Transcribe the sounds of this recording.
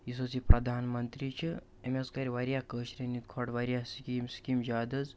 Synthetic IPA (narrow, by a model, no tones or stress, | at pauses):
isosipɾɐd̪ʱaːnmənt̪ɾit͡ʃʰi | emeskɐɾʲiʋaːɾjakəːʃɾenit̪kʰoːʈʋaɾʲjaskiːmskimd͡ʒaːd̪ɐz